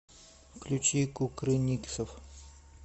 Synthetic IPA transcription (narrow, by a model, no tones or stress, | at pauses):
klʲut͡ɕikukɾɨnʲiksəf